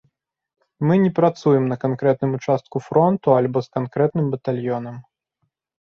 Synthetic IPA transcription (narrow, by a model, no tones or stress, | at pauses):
mɨnʲɛpɾat̪sujɛmnɐkankɾɛt̪̚nɨmut͡ʂast̪̚kufɾɔnt̪ualʲbɔskankɾɛt̪nɨmbɐt̪alʲjɔnɐm